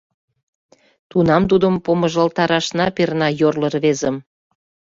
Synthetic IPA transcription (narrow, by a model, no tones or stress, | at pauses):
t̪unɑmt̪̬ud̪əmpoməʒəlt̪ɑɾɑʃnɑpernɑjorlə̆rβezəm